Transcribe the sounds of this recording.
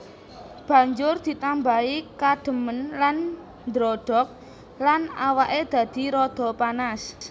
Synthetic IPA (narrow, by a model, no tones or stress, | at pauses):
b̥ä̤ɲd͡ʒʊrd̪̥i̤t̪ambaikaɖ̥ə̤mənlan | nd̪ɾɔɖ̥ɔk̚ | lanawaʔed̪̥ä̤d̪̥i̤ɾɔd̪̥ɔ̤panas